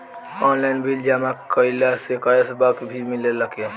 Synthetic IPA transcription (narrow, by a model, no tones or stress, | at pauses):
ɔːnlaɪnbʱild͡ʒamakəɪlasekajəsbakbʱimɪleləke